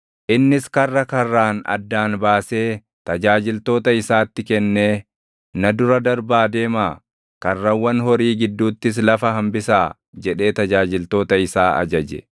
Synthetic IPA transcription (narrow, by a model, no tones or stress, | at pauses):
ʔɪnːɪskɐrːɐkɐrːaːnɐ̰d̪ːaːnbaːse̞ː | t̪ɐd͡ʒaːd͡ʒɪlt̪o̞ːt̪ɐɪsaːt̪ːɪkɛnːe̞ː | nɐd̪ʊɾɐd̪ɐɾbaːd̪eːmaː | kɐrːɐwːɐnɦɔɾiːɡɪd̪ːuːt̪ːɪs̬lɐfɐɦɐmbɪsaː | d͡ʒɛᶑe̞ːt̪ɐd͡ʒaːd͡ʒɪlt̪o̞ːt̪ɐɪsaːɐ̰d͡ʒɐd͡ʒɛ̰